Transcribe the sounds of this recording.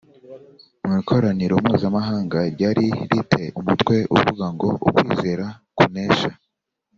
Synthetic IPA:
umŋiːkʰo̞ɾaniɾoumuːzamaɦaːŋɡaɾɟaːɾiɾitʰe̞ʔumutkwe̞ṵβvuɡaŋɡo̞ʔṵkwiːze̞ɾakune̞ːʃa

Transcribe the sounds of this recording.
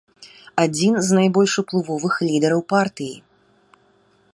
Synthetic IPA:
ad͡zʲinznajbɔlʲʂuplˠuvɔvɨxlʲid̪ɛɾɐwpart̪ɨjḭ

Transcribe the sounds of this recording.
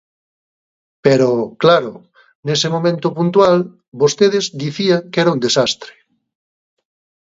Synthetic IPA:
peɾoklaɾo | nesemõmẽnt̪ʊpunt̪wal | bost̪eðezd̪iθiaŋkɛɾaund̪esast̪ɾe̥

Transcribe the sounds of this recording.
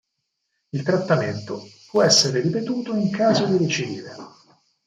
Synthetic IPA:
ilt̪ɾat̪ːament̪opwɔɛsːeɾeɾipet̪uːt̪oiŋkaːzod̪iɾet͡ʃidiːɾḛ

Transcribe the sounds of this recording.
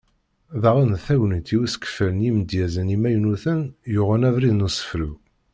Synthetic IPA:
ðɑʁənθæwnənt̪iwiskə̥fələnjimd̪jæzənimæjnuθənjʊʁənævɾiðnusə̥fɾu

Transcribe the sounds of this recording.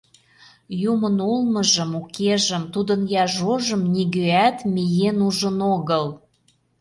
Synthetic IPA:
jumənolmɤ̆ʒə̆mukeʒə̆mt̪ud̪ənjɑʒoʒə̆mnʲiɣøæt̪mʲijenuʒənoɣɤl

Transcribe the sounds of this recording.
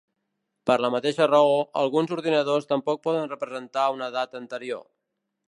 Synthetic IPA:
pəɾləmət̪eʃərəoə̰lˠɣunzuɾðinəð̞ost̪əmpɔk̚pɔðənrəpɾəzənt̪aunəðat̪ənt̪əɾio̰

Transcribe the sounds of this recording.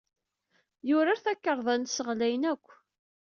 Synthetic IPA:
jʊɾaɾθækːəɾˤðˤɑnsəʁlæjnækʷː

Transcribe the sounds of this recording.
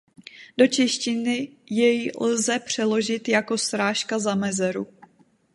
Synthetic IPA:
do̞t͡ʃɛʃcɪnɪjɛjlzɛpr̝̥ɛlo̞ʒɪt̪jako̞st̪ɾaːʃkazamɛzɛɾṵ

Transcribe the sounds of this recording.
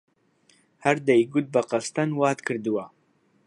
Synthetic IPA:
hæɾd̪ɛjɡʊt̪̚bɐqɑst̪anwɑːt̪kʰɨɾd̪ɨwa

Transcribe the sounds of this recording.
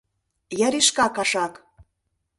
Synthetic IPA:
jɑɾiʃkɑkɑʃɑk

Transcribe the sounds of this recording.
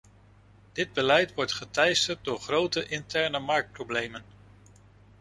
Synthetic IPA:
d̥ɪd̚bəlɛjtʋɔɹtχətɛjstət̚dʊːɹχrowtəʔɪntɛɹnəmɑɹk̚t̚prowblejmən

